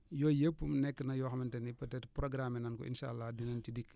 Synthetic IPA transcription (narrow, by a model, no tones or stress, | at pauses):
jɔːjepːumnɛkːənɐjɔxɐmɐntɛnipɐtɛtpɾɔɡɾamɛnɐnkɔ̰ʔḭnʃa̰lːadinɐntidik